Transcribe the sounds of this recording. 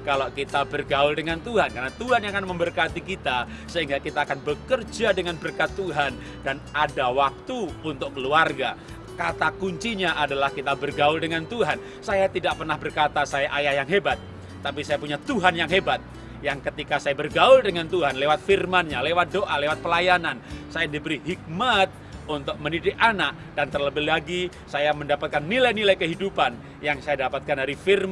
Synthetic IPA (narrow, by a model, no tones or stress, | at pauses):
kalokit̪abərɡaʊldəŋant̪uɦankarnat̪uɦanjakanməmbərkat̪ikit̪a | səɦiŋɡakit̪aːkanbəkərd͡ʒadəŋanbərkat̪ːuɦan | danadawak̚t̪uːnt̪ʊkkːəluarɡa | kat̪akuɲt͡ʃiɲaʔadalahkit̪abərɡaʊldəŋant̪uɦan | sajat̪idaʔ̚pərnahbərkat̪asajaʔajahjaŋɦebat̪̚ː | ap̬isajapuɲat̪uɦanjaŋɦebat̪̚ | jaŋkət̪ikasajabərɡaʊldəŋant̪uɦanlewat̪̚firmanɲalewat̪̚doʔalewat̪̚pəlajanansajandibəɾiɦik̚mat̪̚unt̪ʊk̚mənidɪkʔanaʔ̚d̥ant̪ərləbɪhlaɡi | sajaməndapat̪̚kanːilajnilajkəɦidupan | jaŋsajadapat̪̚kandaɾifirm